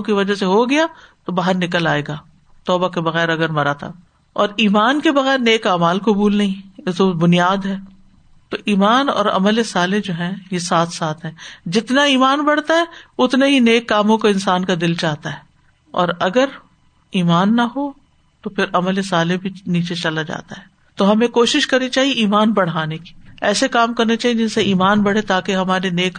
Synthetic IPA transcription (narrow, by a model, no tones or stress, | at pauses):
kiʋɐd͡ʒaseɦoɡɐjat̪obaːɦəɾnɪk̬əlaːeːɡaː | t̪ɔːbakebɐɣɛːɾɐɡəɾmɐɾat̪ʰa̰ | ɔːɾiːmaːnkebɐɣɛːɾneːkaːmaːlkʊbuːlnɐɦĩɪsobʊnijaːd̪ɦɛː | t̪oʔiːmaːnɔ̰ːɾɐ̰məlesaːled͡ʒoːɦɛ̃jesaːt̪ʰsaːt̪ʰɦɛ̃ːd͡ʒɪt̪naiːmaːnbɐɽ̤t̪aɦɛʊt̪neɦineːkːaːmõkoɪ̃nsaːnkad̪ɪlt͡ʃaːɦt̪aɦɛː | ɔ̰ːɾɐɡəɾ | iːmaːnːɐɦo | t̪opʰɪɾɐməlesaːlebʱiniːt͡ʃet͡ʃɐlad͡ʒa̰ːt̪aɦɛː | t̪oɦɐmẽkoːʃɪʃkɐɾnit͡ʃaːɦieʔiːmaːnbɐɽ̤aːneki̥ːɛːsekaːmkɐɾnet͡ʃaːɦied͡ʒɪnseiːmaːnbɐɽ̤et̪aːkeɦɐmaːɾeneːk